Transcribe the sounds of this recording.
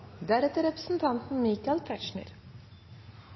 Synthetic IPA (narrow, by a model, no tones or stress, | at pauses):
d̪æɾɛt̪ːəɾɛpɾə̥sn̩t̪ʰɑnt̪n̩miːkɑlt̪ʰæt͡ʃɳɪ̰ɾ